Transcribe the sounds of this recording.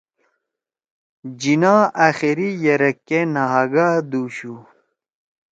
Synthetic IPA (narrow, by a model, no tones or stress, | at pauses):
d͡ʑinaːʔaxiɾijɐɾɐkːenaɦaɡaːd̪uːɕu